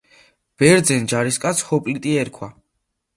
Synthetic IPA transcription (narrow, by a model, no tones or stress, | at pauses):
b̥ɛɾd̪zɛnd͡ʒaɾiskʼat̪sʰhɔpʼlit̪ʼiɛɾkʰwa